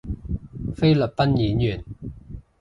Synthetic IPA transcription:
fe˥jlɵ˨˩p̚pɐ˥njiː˨˥njyː˨˩n

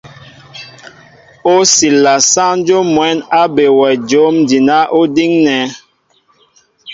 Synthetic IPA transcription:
o˦si˨lːa˨sa˦n˦d͡ʒo˦mwɛ˨˦na˦be˨wɛ˨d͡ʒo˨˦mdi˨na˦ʔo˦di˦ŋnɛ˨˦

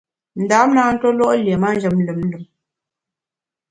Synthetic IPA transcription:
n̩˨daː˨˦m˦na˨˦n̩˦tɔ˦lɔ˦ʔlje˨ma˦˨n̩˦d͡ʒə˨m̩˦lɨ˨m̩˦lɨ˨m

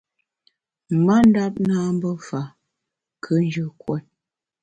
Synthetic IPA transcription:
ma˦n̩˦da˦p̚naː˦m˦bə˦fa˨ | kʰə˦n˦d͡ʒə˨kwɔ˦˨t̚

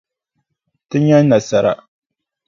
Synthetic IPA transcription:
tɨ˦ɲa˦nː˦a˨sa˦ɾa̰˨

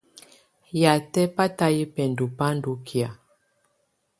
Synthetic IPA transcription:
ja˨tɛ˦pa˦ta˦ji˦pɛ˨ndu˨pa˦ndu˦kʰja˨

